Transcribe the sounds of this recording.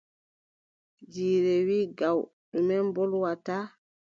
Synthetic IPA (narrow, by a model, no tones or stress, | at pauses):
d͡ʒiːɾɛwiːɡaw | ɗumɛmbɔlwataː